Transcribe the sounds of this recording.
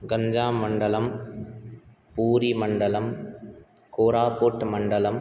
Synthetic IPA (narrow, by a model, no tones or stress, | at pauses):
ɡɐɲd͡ʒaːmːɐɳɖɐlɐm | puːɾimɐɳɖɐlɐm | koːɾaːpoːʈːmɐɳɖɐlɐm